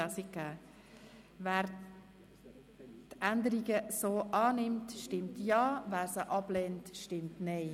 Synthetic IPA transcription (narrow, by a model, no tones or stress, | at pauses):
ɑsɪk̚ɡ̥æː | væːɾ | tændəɾiɡəsoːʔɑːnɪmtʃtɪmtjɑːvæːɾsəʔɑb̥lɛntʃtɪmtnɛɪ